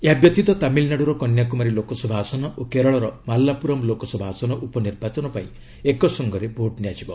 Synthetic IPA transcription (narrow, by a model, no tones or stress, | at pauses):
eɦabjɔt̪it̪ɔt̪amilnaɽuɾɔkɔnjakumaɾilokɔsɔbʱaːsɔnɔʔokeɾɔɭɔɾɔmalːapuɾɔmlokɔsɔbʱaːsɔnɔʔupɔniɾbʱat͡ʃɔnɔpaĩ | ekɔsɔŋɡɔɾebʱoʈniad͡ʒibɔ